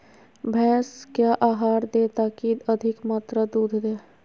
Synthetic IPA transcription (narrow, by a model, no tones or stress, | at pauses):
bʱɛ̃ːskjaʔaːɦaːɾd̪eːt̪akid̪əd̪ʱɪkmat̪ɾəd̪uːd̪ʱd̪eː